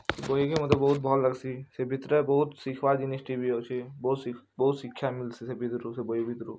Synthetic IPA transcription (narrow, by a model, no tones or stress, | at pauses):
sebojikemɐt̪ləbəɦut̪̚bʱɔːlləɡsisebʱit̪ɾəbɐɦut̪sikʰʋad͡ʒinisʈibʱiɦot͡ʃʰebɐut̪sbɐɦut̪ʃikʃʰamilsisebʱit̪ɾusebojibʱit̪ɾu